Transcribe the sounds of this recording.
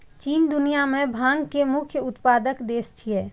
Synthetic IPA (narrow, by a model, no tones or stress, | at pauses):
t͡ʃiːnd̪ʊnijamẽbʱãːŋɡkemʊkʰjəʊt̪paːd̪əkd̪eːst͡ʃʰiɛː